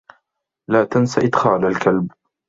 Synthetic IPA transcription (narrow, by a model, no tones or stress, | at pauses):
laːt̪ansaʔɪd̪xaːlalkalb